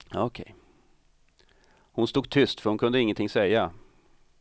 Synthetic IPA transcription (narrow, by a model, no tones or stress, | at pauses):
ɔkʰɛ̰j | hʊnst̪uːɡ̚t̪ʰʏst̪fœɾhʊnkʰɵnd̪əɪŋːənt̪ɪŋsɛjːa